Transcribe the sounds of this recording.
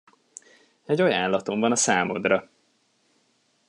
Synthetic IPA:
ɛɟɒjanlɒt̪o̞ɱvɒnɒsaːmod̪rɒ

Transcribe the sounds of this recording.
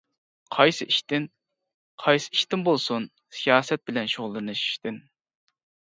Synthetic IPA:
qʰɑjsɨʔiʃt̪ɪn | qʰɑjsɨ̥iʃt̪ɪnbolˠsun | sijɑːsɛt̪̚bɪlɛnʃoʁlˠːɨnɨʃi̥ʃt̪ɪn

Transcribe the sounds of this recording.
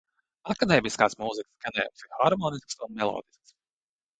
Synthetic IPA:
akad̪eːmiskaːsmuzikskanɛ̰ːmsiɾxaɾmɔːnisksunmɛlˠɔ̰ːd̪isks

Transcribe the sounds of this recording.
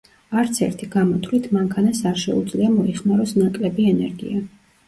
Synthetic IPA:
aɾt̪sʰɛ̰ɾt̪ʰiɡ̥amɔt̪ʰlit̪ʰmaŋkʰanasaɾʃɛ̰ud̪zliamɔiχmaɾɔsnakʼlɛbiɛnɛɾɡḭa

